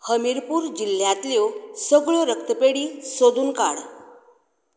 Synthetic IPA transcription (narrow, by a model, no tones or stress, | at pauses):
həmiɾpuːɾd͡ʑil̤ːjãt̪ljosəɡɭoɾəkt̪əpeɽiːsod̪uːnkaɽ